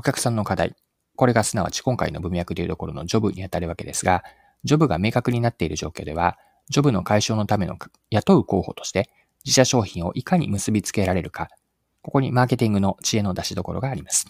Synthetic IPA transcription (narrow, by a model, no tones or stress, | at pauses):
o̞kʲakɯ̟̥sãnːo̞kad̪aḭ | ko̞ɾe̞ɡasɨnaβ̞a̰t͡ɕi̥kõ̞ŋka̰ino̞̰bɯ̟̃mjakɯ̟t̪ejɯ̟t̪o̞ko̞ɾo̞̰no̞̰d͡ʑo̞bɯ̟ɲ̟ijat̪aɾɯ̟βake̞̰d̪e̞sɨɡa | d͡ʑo̞bɯ̟ɡame̞ːkakɯ̟ɲ̟inat̪ːeiɾɯ̟ʑo̞ːkʲo̞ːd̪e̞βa | d͡ʑo̞bɯ̟no̞kaiɕo̞ːno̞t̪ame̞no̞̰ | jat̪o̞ɯ̟ko̞ːho̞̰t̪o̞̥ɕi̥t̪e̞ | d͡ʑiɕaɕo̞ːçĩɰ̃o̞̰ʔikaɲ̟ḭmɯ̟sɨbʲit͡sɨ̥ke̞ɾaɾe̞ɾɯ̟ka | ko̞ko̞ɲ̟imaːke̞t̪ʲĩŋɡɯ̟no̞t͡ɕie̞no̞d̪aɕid̪o̞ko̞̰ɾo̞̰ɡaːɾʲimasɨ̥